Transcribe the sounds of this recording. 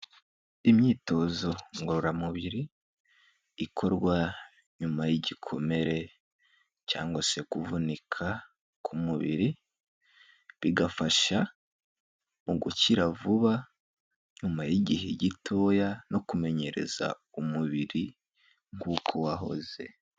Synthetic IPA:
imɲiːto̞zo̞ŋɡoɾoɾamuβiɾi | kʰo̞ɾɡwa | ɲumajiɟikʰo̞̰me̞ɾe̞ | ca̰ːŋɡwase̞kuvunikʰa | kʰumuβḭɾi | βiɡafaʃa | muɡuciɾavuβa | ɲumajiɟiɦeɟitʰo̞jano̞kume̞ɲe̞ɾe̞̰z̥a̰ | umuβiɾi | ŋɡuːkʰo̞waɦo̞̰ze̞̰

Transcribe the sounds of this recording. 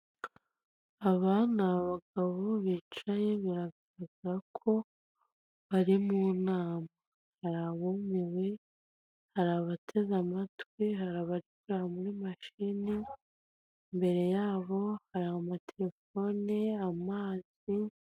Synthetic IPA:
aβanaβaɡaβoβiːt͡ʃaje̞βaɾaɡaɾaɡaɾakʰo̞ | βaɾimuːnaːma | haɾaβomiwe̞ | haɾaβatʰe̞zamatwihaɾaβaɾikuɾaamuɾimaʃini | mbe̞ɾe̞jaːβo̞haɾaamatʰe̞ɾe̞fo̞neamaːz̥ | i

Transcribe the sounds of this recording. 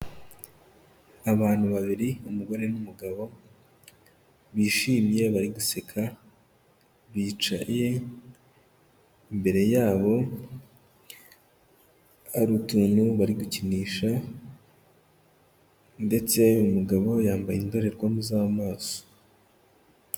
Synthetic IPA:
aβaːn̥huβaβiɾiumuɡo̞ɾe̞numuɡaβo̞ | βiːʃiːmje̞βaɾiɡuse̞kʰa | βiːt͡ʃa̰je̞ | imbe̞ɾe̞jaːβo̞ | aɾutuːnuβaɾiɡuciniːʃa | nde̞t͡se̞umuɡaβo̞jaːmbajindo̞ɾe̞ɾɡwamuzaːmaːso̥

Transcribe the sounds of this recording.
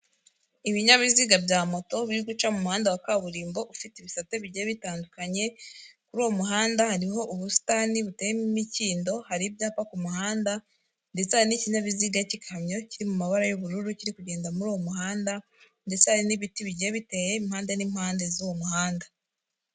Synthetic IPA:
iβiɲaβiziːɡabjaːmo̞to̞βiɾiɡut͡ʃamumuhaːndawakaβuɾiːmbo̞ʔufiteiβisataβiɟeβitaːndukaɲe̞kuɾuwomuɦaːndahaɾiɦo̞ʔuβusi̥taniβutejemimiciːndo̞haɾibjaːpakumuhaːnda | nde̞t͡sehaɾiniciɲaβiziːɡaecikhamɲo̞ciɾimumaβaɾajuβuɾuɾuciɾikuɟe̞ːndamuɾuːwo̞muɦaːnda | nde̞t͡sehaɾiniβitiβiɟeβite̞je̞imhaːndenimhaːnde̞zuwomuhaːnda

